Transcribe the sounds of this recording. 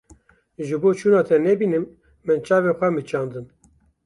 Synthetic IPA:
ʒɨboːt͡ʃʰuːnɑːt̪ʰɛnɛbiːnɨmː | ɨnt͡ʃʰɑːvexʷɛmɨt͡ʃɑːnd̪ɨn

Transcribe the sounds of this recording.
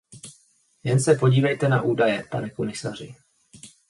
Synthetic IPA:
jɛnsɛpo̞ɟiːvɛjt̪ɛnaʔuːdajɛpa̰nɛkomɪsar̝ɪ

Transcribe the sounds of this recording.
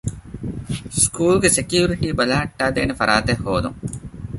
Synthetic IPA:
skʰuːlɡesekjuːɾiʈiːbɐlaɦɐʈːaːd̪eːnefɐɾʔaːt̪ehːoːd̪ṵŋ

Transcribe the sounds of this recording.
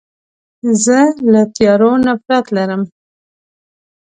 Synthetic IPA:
zəlat̪jɑɾonafɾat̪laɾəm

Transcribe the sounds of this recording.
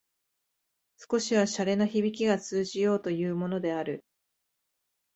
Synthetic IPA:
sɨ̥ko̞ɕiβaɕaɾe̞noçibʲik̬ʲiɡat͡sɨːʑijo̞ːt̪o̞jɯːmo̞no̞d̪e̞aɾɯ̟

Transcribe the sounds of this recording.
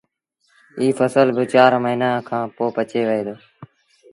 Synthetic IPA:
iːfʰəsəlbɪt͡ʃaːɾməɦiːnaːkʰãːpoːpət͡ʃeːʋəɦeːd̪oː

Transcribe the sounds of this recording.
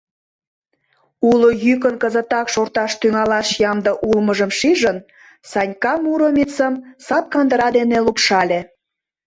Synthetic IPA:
ulojyk̬ənkəzə̆t̪ɑkʃort̪ɑʃt̪yŋɑlɑʃjɑmd̪ɤʔulməʒəmʃiʒən | sɑnʲkɑmuɾomʲit͡səmsɑp̪̚kɑnd̪əɾɑd̪enelupʃɑlʲe

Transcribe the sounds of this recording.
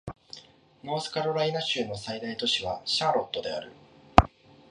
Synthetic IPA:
no̞ːsɨ̥kaɾoɾainaɕɨːno̞said̪ait̪o̞ɕiβ̞aɕãːɾo̞t̪ːo̞d̪e̞a̰ɾɯ̟̰

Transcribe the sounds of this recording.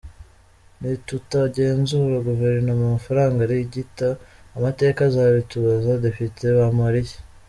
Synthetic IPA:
nitutaɟe̞ːnzuːɾaɡuve̞ɾnomumafaɾaːŋɡaɾiɟitaːmate̞ːkazaβituβazade̞pitʰeβamaɾije

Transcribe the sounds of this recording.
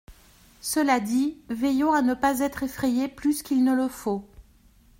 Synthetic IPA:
səlad̪ivɛjɔ̃anəpazɛt̪χefχejeplyskʲilnələfo

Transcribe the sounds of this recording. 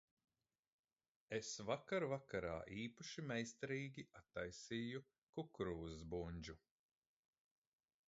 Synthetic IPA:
esvakaɾvakaɾa̰ːʔiːpaʃimɛjst̪aɾiːɡʲiʔat̪ːajsiːju | kukɾuːzbunʲd͡ʒu

